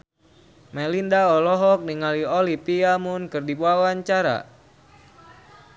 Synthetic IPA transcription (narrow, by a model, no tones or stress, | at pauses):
mɛlindaɔlɔɦɔk̚niŋaliolipiamʊnkɨrdibuawaɲt͡ʃaɾa̰